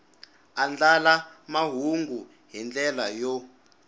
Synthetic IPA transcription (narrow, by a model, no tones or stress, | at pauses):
and͡ɮalamaɦuŋɡu | ɦɛnd͡ɮɛlajɔ